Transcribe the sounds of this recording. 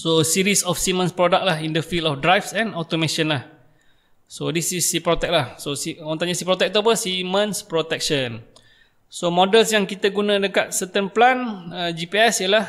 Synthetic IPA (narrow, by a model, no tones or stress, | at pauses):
sosiɾisɔfsimə̃nspɾɔdak̚lahindəfilɔfdɾajfsɛ̃nɔt̪omẽʃənlah | sodisisːipɾɔt̪ɛk̚lahsosint̪aɲasipɾɔt̪ɛk̚t̪uap̬əsimə̃nspɾɔt̪ɛk̚ʃən | somõdəlsjaŋkit̪əɡunə̃dəkat̪̚sət̪ənplanəd͡ʒipiɛsiəlah